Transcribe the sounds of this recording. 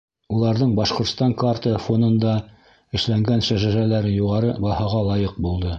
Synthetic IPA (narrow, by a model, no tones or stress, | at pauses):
ulˠɑɾðɤɴbɑʃqŏɾt̪st̪ɑŋkart̪əfonɤ̆nd̪ɑ | ɘ̆ʃlæŋɡænʃæʒæʒælæɾɘjuʁɑɾɤbɑhɑʁɑlˠɑjɤq̚bulˠd̪ɤ